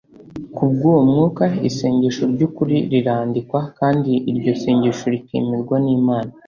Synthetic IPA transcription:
kubɡomŋuːkaiseːɲɟeʃoɾɟukuɾiɾiɾaːndikwakaːndiːɾɟo̞seːɲɟeʃoɾikḛːmiɾɡwaniːmaːna

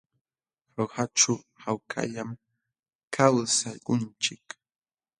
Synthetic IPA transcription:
ɾohaʈ͡ʂa | hawkʰa̰ʎam | kʰawsaʎɢʊnt͡ʃɪk

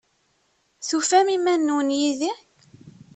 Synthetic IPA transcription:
θufæmimænːunjiði

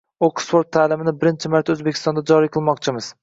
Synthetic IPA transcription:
oksfoɾt̪ʰːaːlɪmɪnɪbɪɾɪnt͡ʃʰɪmaɾt̪ʰɵzbekʲʰɪ̥st̪ɒnd̪ad͡ʒɒɾijqʰɨlˠmɒqt͡ʃʰɪmɪz̥

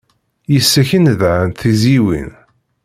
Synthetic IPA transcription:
jəsːæçənðʕənθiziwḭn

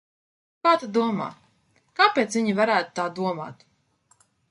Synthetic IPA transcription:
kaːt̪ad̪uɔma̰ː | kaːpʲeːt̪svʲiɲivaɾæːt̪u̥t̪aːd̪uɔma̰ːt̪

